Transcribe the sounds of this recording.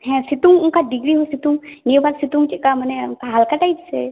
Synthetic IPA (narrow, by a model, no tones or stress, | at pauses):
hɛ̃sit̪uŋʊnkaɖiɡɾiɦosit̪uŋnibalsit̪uŋt͡ʃikamənɛkaɦalkaʈaid͡ʒsḛ